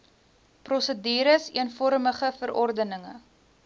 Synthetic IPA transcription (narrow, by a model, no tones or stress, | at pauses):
prɔsədiːɾəsiənfɔɾməχəfəɾʔɔrdənəŋə̰